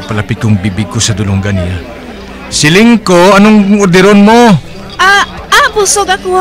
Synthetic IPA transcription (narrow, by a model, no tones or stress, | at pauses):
pɐlɐpɪkʊŋbibɪɡ̚kːosɐd̪ʊlʊŋɡanɪja | sɪlɪŋkoɐnoŋʊɾd̪ɪɾonmo | ʔa | apusoɡɐko